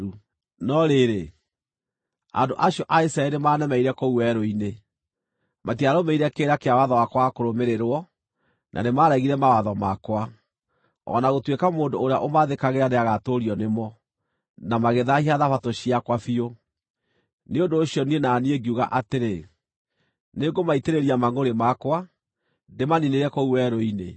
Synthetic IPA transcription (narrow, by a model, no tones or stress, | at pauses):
u | nɔɾeɾe | a̰ndoʔaɕiɔʔaisɾaɛɾemaːnɛmɛiɾɛkouwɛɾoine | matiaɾomɛiɾɛkeːɾakeawaðɔwakwakoɾomeɾeɾwɔ | nʔa̰nemaɾɛɣiɾɛmawaðɔmakwa | ɔ̰naɣotwekamoːndoːɾeaʔomaðekaɣeɾaneaɣatoɾiɔnemɔ | namaɣeðahiaðafatoɕiakwafio | neondoːɕiɔnienaːnieɡiuɣa̰ʔateɾe | neɡomaiteɾeɾiamaŋoɾemakwa | demanineɾɛkouwɛɾoinḛ